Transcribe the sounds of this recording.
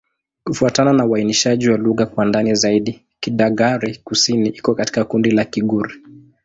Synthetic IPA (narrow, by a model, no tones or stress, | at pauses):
kufuatananauainiʃaʄiwaluɣakwandanizaiɗi | kiɗaɡaɾikusiniʔikɔkati̥kakundilakiɠuɾi